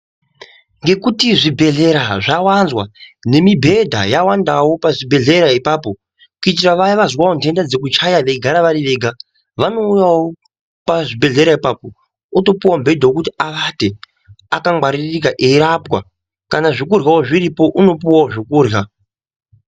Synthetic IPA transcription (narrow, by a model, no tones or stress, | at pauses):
ŋɡe̞kutiʐibʱe̞ɮe̞ɾaʐawanzwane̞mibʱe̞dʱa̰jawandawo̞paʐibʱe̞ɮe̞ɾaipaːpo̞ | kuitiraʋajiʋazwawondʱe̞ndad͡ze̞k̬ut͡ʃajaʋeɡʱaɾaʋaɾiʋe̞ːɡʱa | ʋano̞ujawo | paʐibʱe̞ɮe̞ɾaipapo̞ | uto̞puwambʱe̞dʱaokutiaʋate | akamwaɾirik̬aʔeiɾapwa̰ | kanaʐikurɣawoʐiɾipo̞ʔuno̞puwaoʐikuːrja